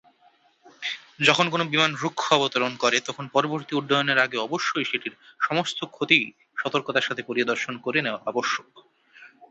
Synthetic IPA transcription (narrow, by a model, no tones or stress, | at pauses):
d͡ʑɔkʰonkonobimanɾukʰːoɔbot̪oɾonkɔɾet̪ɔkʰonpɔɾoboɾt̪iuɖːajoneɾaɡeɔboʃːoiʃiʈiɾʃɔmost̪okʰot̪i | ʃɔt̪oɾkot̪aɾʃat̪ʰepoɾid̪oɾʃonkoɾeneoaaboʃːo